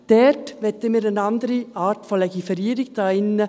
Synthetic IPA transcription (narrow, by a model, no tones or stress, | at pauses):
d̪̥ɛtʋɛtːəmiɾənɑnd̪əɾiɑːɾtfɔlɛɡifɛɾiːɾɪktɑɪnə